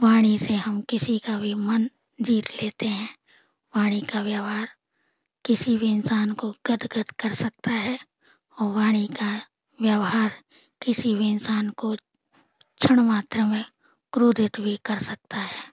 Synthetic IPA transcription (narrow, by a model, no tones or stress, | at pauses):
ʋaːɽ̃iseɦɐmkɪsikabʱimɐn | d͡ʒiːt̪leːt̪eɦɛ̃ | ʋaːɽ̃ikaʋjəʋɦaːɾ | kɪsibʱiɪnsaːnkoɡ̥əd̪ɡəd̪kəɾsək̚t̪aɦɛ | ɔːɾʋaːɽ̃ika | ʋjəʋɦaːɾ | kɪsibʱiɪnsaːnko | t͡ʃʰəɽ̃maːt̪ɾəmẽ | kɾud̪ɪt̪bʱikɐɾsək̚t̪aɦɛː